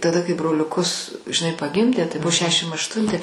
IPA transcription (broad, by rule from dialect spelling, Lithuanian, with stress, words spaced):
tɐˈdɐ kɐɪ broːlʲʊˈkʊs ʒʲɪˈnɐɪ pɐˈɡʲɪmʲdʲeː tɐɪ ˈbʊ ˈʃʲæːʃʲɪm ɐʃˈtʊnʲtʲɪ